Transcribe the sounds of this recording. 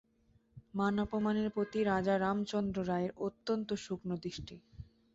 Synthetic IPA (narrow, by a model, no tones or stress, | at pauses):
manɔpomaneɾpɾot̪iɾad͡ʑaɾamt͡ɕɔnd̪ɾoɾaeɾot̪ːont̪oʃuknod̪ɾiʃʈi